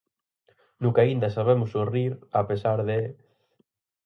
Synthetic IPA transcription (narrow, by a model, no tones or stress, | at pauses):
nʊkaind̪ɐsaβemʊsuriɾapesaɾðe